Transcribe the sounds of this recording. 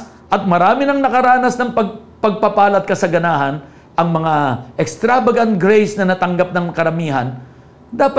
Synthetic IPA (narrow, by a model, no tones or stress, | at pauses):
ʔɐt̪̚mɐɾaːmɪnɐŋnɐkɐɾaːnɐsnɐŋpɐɡ̚ | pɐɡ̚pɐpaːlɐt̪̚kɐsɐɡɐnaːɦɐn | ʔɐŋmɐŋaʔɛkst̪ɾaːbɐɡɐnt̪̚ɡɾejsnɐnɐt̪ɐŋɡap̚nɐŋkɐɾɐmiːɦɐ̰n | d̪aːpɐ